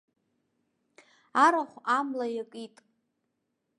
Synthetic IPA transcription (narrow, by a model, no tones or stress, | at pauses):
aɾaχʷamlajakʼitʼ